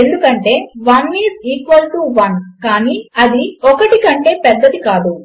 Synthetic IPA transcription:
e̞nd̪ukɐɳʈe̞ːʋɐniːziːkʋɐlʈuʋɐnkaːniːɐd̪iɔkɐʈikɐɳʈe̞ːpɛd̪ːɐd̪ikaːd̪u

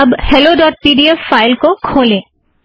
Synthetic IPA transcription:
ɐbhɛloɖɔːʈ̚piːɖiɛfːaːɪlkokʰoːlẽː

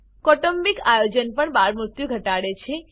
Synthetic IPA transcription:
kɔʈəmbikajod͡ʒənpəɳbaɾmɾʊt̪juɡʱəʈaɽet͡ʃʰe

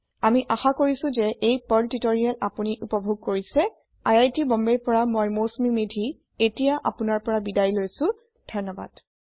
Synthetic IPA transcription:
amiʔaxakoɹisʊ̃zɛʔejpɔltitoɹijalapuniʔupɔbʱoɡ̚koɹisɛ | ajajtibɔmbɛɹpɔɹamɔjmosmimedʱi | etijaʔa̰pʊnaɹpɔɹabidajlojsʊ̃ | dʱɔnɔba̰d̥

